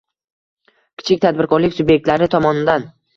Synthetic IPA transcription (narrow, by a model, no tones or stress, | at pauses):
kʲʰɪ̥t͡ʃʰɪkʲt̪ʰad̪̚bɪɾkʰɒɾlɪkʲsʊbje̞k̚t̪laɾɪt̪ʰɒmɒnɪd̪an